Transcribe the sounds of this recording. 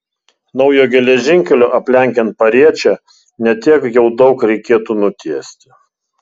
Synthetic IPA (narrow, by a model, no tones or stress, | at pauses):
nɒʊjoːɡʲɛlʲɛʒʲɪŋʲkʲɛlʲoːʔɐpʲlʲɛˑŋʲkʲɛnt̪̚pɐɾʲiɛt͡ʃʲɛ | nʲɛt̪ʲiɛkjɛʊd̪ɒʊkɾʲɛɪkʲeːt̪uːnʊt̪ʲiɛsʲt̪ʲɪ